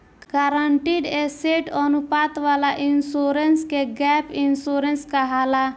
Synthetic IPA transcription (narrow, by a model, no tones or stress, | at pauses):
ɡaɾaɳʈiɖeseʈɔnupat̪ʋalaʔinsuɾenskeɡɛpinsuɾenskəɦala